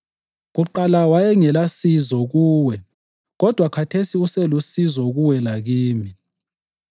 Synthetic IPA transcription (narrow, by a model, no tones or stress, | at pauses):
ɣuǃalawajɛŋɛlasizɔɣuːwɛ | ɣɔd̥ʱwakʰatʰesiusɛlusizɔɣuwɛlaɣiːmi